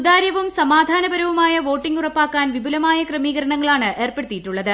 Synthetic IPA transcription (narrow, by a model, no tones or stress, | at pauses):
ud̪aːɾjɐʋumsɐmaːd̪ʱaːnɐbɐɾɐʋumaːjɐʋo̞ːʈːiŋɡurɐpːaːkːaːnʋibʱulɐmaːjɐkrɐmiːɣɐɾɐɳɐŋːɐɭaːɳɨʔʔe̞ːrpe̞ɽɨt̪ːijiʈːuɭːɐðɨ